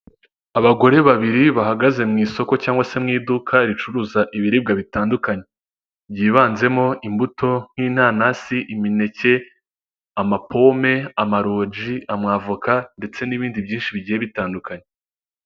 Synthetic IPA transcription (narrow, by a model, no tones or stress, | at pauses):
aβaɡo̞ɾe̞βaβiɾiβahaɡaze̞mŋiːso̞ko̞caːŋɡwase̞mŋiːdukʰaɾit͡ʃuɾuːzaʔiβiɾib̚ɡaβitaːndukaɲe̞ | bjiːβaːnze̞mo̞ʔimbuto̞n̥hiːn̥haːnasiʔimine̞ce̞ | amapʰo̞me̞amaɾoːd͡ʒiamŋaːvukande̞t͡se̞niβiːndibɟiːnʃiβiɟiːjeβitaːndukaɲe